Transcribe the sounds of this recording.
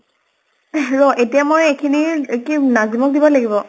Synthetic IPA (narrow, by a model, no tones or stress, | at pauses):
ɹɔʔetijamojekʰinikinazimɔk̚dibɔlaɡibɔ